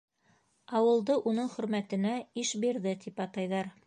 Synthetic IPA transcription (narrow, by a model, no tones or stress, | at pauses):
ɑwɤ̆lˠd̪ɤʔunɤɴχɵ̆ɾmæt̪ɘ̆næiʃbiɾðɘt̪ipɑt̪ɑjðɑɾ